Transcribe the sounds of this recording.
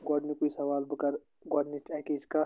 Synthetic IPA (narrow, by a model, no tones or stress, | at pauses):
ɡɔːɖmẽkoːisɐʋaːlbəkəɾ | ɡɔːɖnet͡ʃɛkeɪska